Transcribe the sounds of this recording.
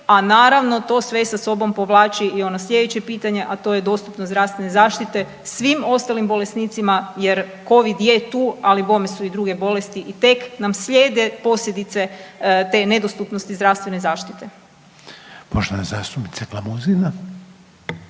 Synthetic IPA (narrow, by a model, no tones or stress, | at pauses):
anaːɾaʋno̞t̪o̞sʋesaso̞bo̞mpo̞ʋlˠaːt͡ɕiio̞noslʲje̞d̪et͡ɕe̞piːt̪aɲe̞ʔat̪o̞jed̪o̞st̪upnozd̪ɾafst̪ʋenezaːʃt̪it̪e̞ | sʋimo̞st̪alimbo̞lesniːt̪simajeɾko̞ʋid̪jet̪uːalibo̞mesuid̪ɾuɡe̞bo̞lest̪iʔit̪e̞knamsʎeːd̪e̞po̞sʎʲed̪it̪se̞t̪e̞ne̞d̪ost̪upnost̪izd̪ɾaʋst̪ʋe̞nezaːʃt̪it̪e̞ | poʒenazast̪umit̪seklamuzina